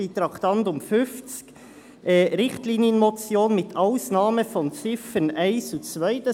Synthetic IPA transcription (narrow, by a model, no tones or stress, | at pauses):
it̪ɾɑkt̪ɑntʊmfʏnft͡sk | ʔɛɾɪχtliːnjənmɔt͡sjoːnmɪt̪ʰaʊsnɑːməfɔnt͡sɪfənæɪnsut͡svaɪtə